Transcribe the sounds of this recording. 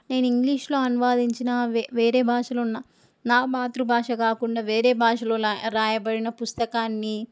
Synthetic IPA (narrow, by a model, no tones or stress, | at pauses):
ne̞ːnuiŋɡliːʂlo̞ːɐnuʋaːd̪iɲt͡ʃinɐʋeːɾeːbʱaːʂɐlounːaː | naːbaːt̪ɾubʱaːʂɐkaːkuɳɖaːʋeːɾeːbʱaːʂɐlo̞ːɾaːjɐbɐɽinɐpust̪ɐkaːnːi